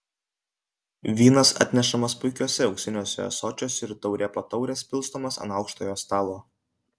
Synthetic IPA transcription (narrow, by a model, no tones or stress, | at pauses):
ʋʲiːnɐsɐ̰t̪ʲnʲɛʃɐmɐspʊɪkʲoɔsʲɛɐʊksʲɪnʲoːsʲɛ̰soːt͡ʃʲoːsʲɪɾt̪ɒʊɾʲɛˑpot̪ɒʊɾʲɛspʲɪlˠst̪oːmɐsɐ̰nɐʊkʃt̪oːjoːst̪ɑːlˠoː